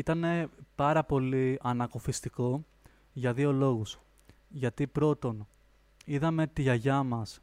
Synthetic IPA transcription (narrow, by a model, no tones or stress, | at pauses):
it̪ɐne̞pɐɾɐpo̞liɐnɐko̞fist̪iko̞ | ʝɐðio̞lo̞ɣus | ʝɐt̪ipɾo̞t̪o̞n | iðɐme̞t̪iʝɐʝɐmɐs